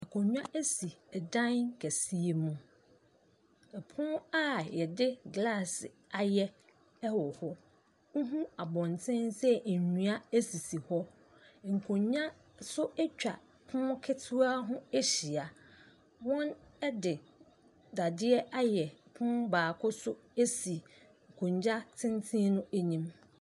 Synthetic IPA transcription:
ɛ˨kʰõ˨ɲᶣ˦ã˦ʔæ˦si˨ɛ˨dã˦nkʰæ˨si˦e˦mũ˦ | ɛ˨pʰʊ̃˦a˦jɛ˨dɪ˦ɡla˦˨sɪ˨a˨jɛ˦ | ɛ˦wɔ˨hɔ˦ | ŋ̩˦ɦũ˦a˨bɔ̃˨ntʰɛ̃˦nsɛ˦˨ɲũ˨a˦æ˦si˨si˨hɔ˦ | ŋ̩˨kʰõ˨ɲɲã˦ | sʊ˦ɛ˦t͡ɕᶣa˨ | pʰʊ̃˦kʰɪ˦tʰu˦a˦ɦʊ̃˦e˦ɕi˨a˨ | wɔ̃˦nɛ˦dɪ˨ | da˨dɪ˦ɛ˦ʔa˦jɛ˨pʰʊ̃˦baː˨kʰʊ˦sʊ˦ | e˦si˨ | ŋ̩˨kʰõ˨ɲd͡ʑa˦tʰɪ̃˦ntʰĩ˦nʊ̃˦æ˦ɲĩ˦m

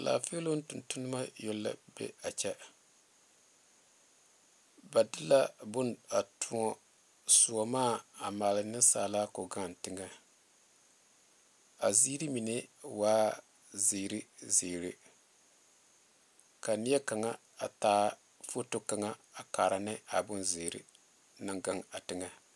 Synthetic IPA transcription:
la̰ː˨fe˦lo˦n̩˦tʊ˨ntʊ˦nɨ˦ma˦jo˦lːa̰˦bɛ̰˦a˨t͡ʃɛ˦ | ba˨dɪ˦la˦bʊ˦na˨tʰu˨˦ɔ˦ | su˨ɔ˨maː˦a˨ma˨lɪ˨nɪ˦saː˨la˦kɔ˨ɡa˦˨n˨tɪ˦ŋa˦ | a̰˨zi˦ɾi˦mi˨ne˦waː˦ | zeː˨ɾi˦zeː˨ɾe˨ | ka˨nɪ˦ɛ˦ka˨ŋa˦ | a˨taː˦ | fo˦tʊ˦ka˨ŋa˦a˨kaː˨ɾa˨nɛ˦a˨bʊ˦nzeː˨ɾɪ̰˨ | na˦˨ŋɡa˦ŋa˨tɪ˨ŋa˦

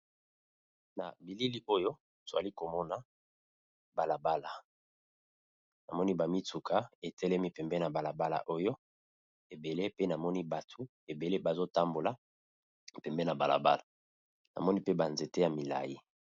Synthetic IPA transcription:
na̰˨bi˨li˦li˦ʔo˦jo˦ | to˨a̰˨li˦ko˨mɔ˦na˦ | ba˨la˨ba˦la˨ | na˨mɔ˦ni˦ba˨mi˦tu˨kʰa˦e˨tɛ˦lɛ˦mi˦pɛ˨mbɛ˦na˨ba˨la˨ba˦la̰˨ʔo˦jo˦ | e˨be˨le˦pe˦na˨mɔ˦ni˦ba˨tʰu˨˦ | e˨be˨le˦ba˨zo˦ta˦mbo˨la˦˨ | pɛ˨mbɛ˦na˨ba̰˨la̰˨ba̰˦la˨ | na̰˨mɔ˦ni˦pe˦ba˨nze˨te˦ja˨mi˨la̰˨ji˦

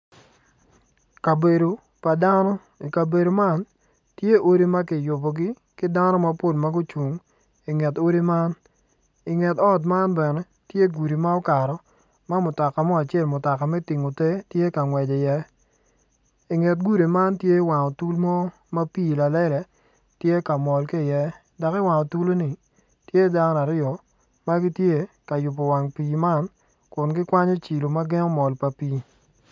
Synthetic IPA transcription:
ka˨be˨do˨ | pa˨da˦nɔ˦ | i˨ka˨be˨ɾo˨ma˦n | tje˦ʔo˦ɾi˦ma˦kɪ˨jʊ˨bɔ˨ɡɪ˦ | kɪ˦da˦nɔ˦ma˦po˦lma˦ɡʊ˦t͡ʃu˨ŋ | i˨ŋɛ˨to˦ɾi˦ma˦n | i˨ŋɛ˨tɔ˦t̬ma˦nbɛ˨nɛ˦ | tje˦ɡu˨ɾi˨ma˦ɔ˦ka˨ɾɔ˨ | ma˦mʊ˨ta˨ka˨mɔ˦a˨t͡ʃɪ˦ɛ˦˨lmʊ˨ta˨ka˨mɛ˦ti˨ŋo˨te˦tje˦ka˨ŋwɛ˨d͡ʒe˨jɛ˦ | i˨ŋɛ˨t̚ɡu˦ɾi˨ma˦ntje˦wa˨ŋɔ˨tu˦lmɔ˦ | ma˦pi˦˨la˨lɛ˦lɛ˨ | tje˦ka˨mɔ˨lki˦˨jɛ˦ | da˨kɪ˦wa˨ŋɔ˨tu˦lo˦ni˨ | tje˦da˦ŋ˦na˨ɾɪ˦ɔ˨ | ma˦ɡi˦tje˦ | ka˨jʊ˨p̬ɔ˨wa˨ŋpiː˨ma˦n | kʊ˨nɡɪ˦kwa˦ɲɔ˦t͡ʃi˨lo˨ma˦ɡɛ˦ŋɔ˦mɔ˨lpa˨piː˦

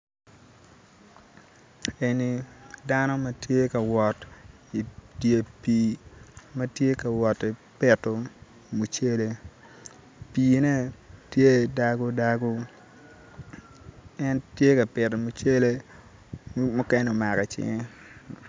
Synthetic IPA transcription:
e˨ni˨da˦no˦ma˦tje˦kɐ˨wɔ˨t | i˨tje˨piː˨mɐ˦tje˦kɐ˨wɔ˨ti˨pe˨to˨ | mu˨t͡ʃe˦le˦ | piː˨ne˦tje˦da˨ɡo˦da˦ɡo˦ | ɛ˦ntje˦kɐ˨pɪ˨to˨mu˨t͡ʃe˦le˦ | mʊ˦kɛ˦n˨o˨ma˨ɾɛ˨t͡ʃɪ̰˦ŋe˦

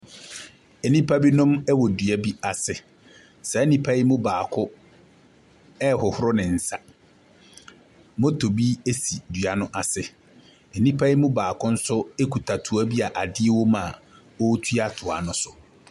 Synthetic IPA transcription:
ɛ˨nĩ˦pʰa˦bi˦nʊ̃˦mɛ˦wɔ˨dɥa˦bi˦a˨sɪ˨ | sɛ˨ɛ˦nĩ˦pʰa˦ji˦mʊ̃˦baː˨kʰʊ˦ | ɛ˦hʊ˨hʊ˦ɾʊ˦nɪ̃˨n̩˨sa˦ | mʊ̃˦tʰo˨bi˦e˦si˨dɥa˨nʊ̃˦ʔa˨sɪ˦ | ɛ˨nĩ˦pʰa˦ji˦mʊ̃˦baː˨kʊ˦n̩˦sʊ˦e˦kʰu˨tʰa˨tʰu˨a˦bi˦a˨ʔa˨dɪ˦e˦wo˦mã˨ | ɔ˦tʰɥa˦tʰʊ˨a̰˨nʊ̃˦sʊ˨

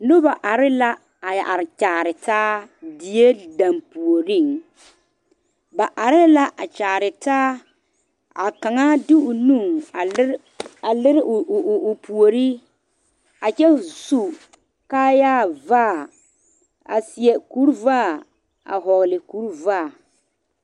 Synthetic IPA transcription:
nʊ˦ba˨ʔa˨ɾɪ˦la˦ | a˨ja̰˨ʔa˨ɾɪ˨t͡ʃaː˨ɾɪ˨taː˦dɪ˦je˦da˨mpu˨o˨ɾi˦˨ŋ | ba˨ʔa˨ɾɪ˦la˦ʔa˨t͡ʃaː˨ɾɪ˨taː˦ | a̰˨ka˨ŋa˦dɪ˦ʊ˨nu˦˨ŋ˨˦ | a˨lɪ˦ɾɪ˦˨pu˨o˨ɾi˦ | a˨t͡ʃɛ˦su˨ | kaː˦jaː˦˨vaː˦˨ | a̰˨sɪ˨ɛ˨ku˦ɾvaː˦˨ | a̰˨ɦɔ˨ɣlɪ˨ku˦ɾvaː˦˨

